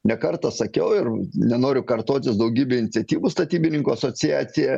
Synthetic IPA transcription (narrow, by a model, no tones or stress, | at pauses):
nʲɛkɐrt̪ɐsɐkʲɛʊɪrnʲɛnoːɾʲʊkɐrt̪oːt̪ʲɪsd̪ɐʊɡʲiːbʲeːɪnʲɪt̪sʲɛt̪ʲiːʋuːst̪ɐt̪ʲiːbʲɪnʲɪŋkuːɐsoːt͡s̪ʲɪjæ̰ːt͡s̪ʲɪjɛ